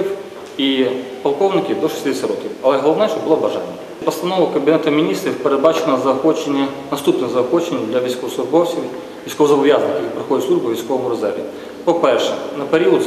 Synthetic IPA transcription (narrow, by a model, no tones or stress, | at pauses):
ɪf | i | pɐlˠkovnʲɪkʲɪd̪oʂɨ̥sʲt̪ʲid̪ʲisʲɐɾok̪ʲɪfɐlˠɛɦɐlˠɐvnəjʂt̪obɨlˠobɐʐa̰nʲɪ | pɐst̪ɐnovəkəmbʲɪnɛt̪ɐmʲɪnʲist̪ɾəfpəɾɐbat͡ɕɪnəzɐɐxot͡ɕːɪnʲjə | nɐst̪upnɨjzɐɐxot͡ɕːɪnʲɪəd̪lʲɐʋʲɪsʲkovsˠʊʒbofsʲɪ | vʲɪsʲkovzɐbɐjaznəkʲpɾɐxodʲɪt̪sˠuʒbʊvʲɪsʲkovəmʊɾɐza̰ɾʲɪ̰ | popɛɾʲʂɛnɐpɪɾʲiʊt̪